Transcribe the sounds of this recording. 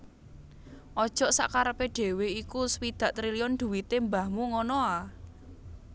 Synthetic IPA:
ʔɔd̥ʒ̥ɔ̤ʔsa̰ʔkaɾəpeɖ̪̥e̤weikuswid̪̥ä̤ʔt̪ɾiliɔnd̪̥ṳwit̪embahmuŋɔnɔa

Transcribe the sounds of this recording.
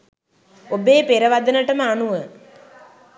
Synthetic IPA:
obeːpeɾəʋad̪ənəʈəməanuʋə

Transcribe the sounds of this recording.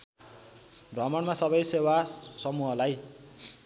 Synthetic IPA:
rʱʌmʌnmasʌbʌjsewasʌmuɦʌlaj

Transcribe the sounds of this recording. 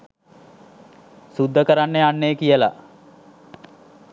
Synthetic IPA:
sud̪ːəkəɾanːeanːejəkijəla̰

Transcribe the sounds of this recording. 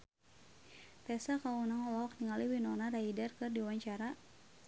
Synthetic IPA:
t̪ɛsakaunaŋɔlɔɦɔk̚niŋaliwinɔnaraidərkɨrdiwaɲt͡ʃaɾa

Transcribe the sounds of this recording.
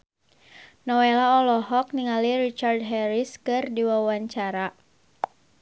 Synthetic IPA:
nɔwelaɔlɔɦɔk̚niŋalirit͡ʃard̚ɦɛɾiskɨrdiwawaɲt͡ʃaɾa

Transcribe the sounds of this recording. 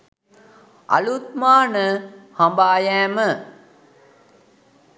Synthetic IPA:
ʔɐ̰lut̪̚maːnəhɐmbaːjæːmə

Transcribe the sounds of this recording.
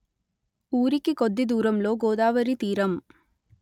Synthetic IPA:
uːɾikːɯkod̪ːid̪uːɾɐmloːɡoːðaːʋɐɾit̪iːɾɐm

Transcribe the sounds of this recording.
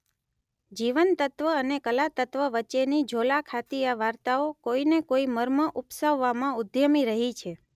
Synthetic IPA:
d͡ʒiʋənt̪ət̪ʋəənekəlat̪ət̪ʋəʋət͡ʃenid͡ʒʱolakʰat̪iaʋaɾt̪aokoinekoiməɾməʔupsəʋːamãʊd̪ʱjəmiɾəɦit͡ʃʰe

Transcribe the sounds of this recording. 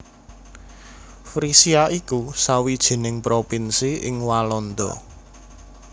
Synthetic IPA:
fɾisiaʔikusawid̥ʒ̥e̤nɪŋpɾopinsiɪ̰ŋwalɔnd̪ɔ̰

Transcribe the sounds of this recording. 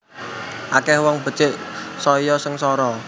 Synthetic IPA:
ʔakɛhwɔŋb̥ə̤t͡ʃɪʔsɔjɔsəŋsɔɾɔ

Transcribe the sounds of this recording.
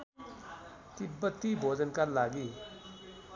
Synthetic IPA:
t̪ibʌt̪ːibʱod͡zənkaɾlaɡi

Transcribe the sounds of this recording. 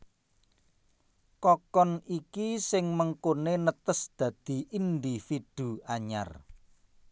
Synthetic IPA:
kɔkɔnikisɪŋməŋkonenət̪əsd̪̥ä̤d̪̥i̤ʔind̪ifid̪̥ṳaɲa̰r

